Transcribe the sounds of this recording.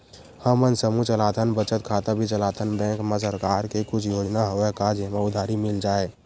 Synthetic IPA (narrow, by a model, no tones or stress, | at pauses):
həmənsəmut͡ʃəlaːt̪ʰənbət͡ʃət̪̚kʰaːt̪abʱit͡ʃəlaːt̪ʰənbɛ̃ːŋkmas̬əɾkaːɾkekʊt͡ʃʰjoːd͡ʒnaɦoekad͡ʒemaʊd̪ʱaːɾimɪld͡ʒaːe